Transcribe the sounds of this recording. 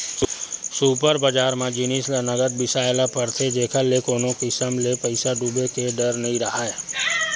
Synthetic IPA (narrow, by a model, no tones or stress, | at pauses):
suːpəɾbəd͡ʒaːɾmẽd͡ʒɪnislanəɡəd̪̚bɪsaːelapəɾt̪ʰed͡ʒeːkʰəlekoːnõkisəmlepəɪsaɖuːbekeɖəɾnɐɦĩɾɐɦaːe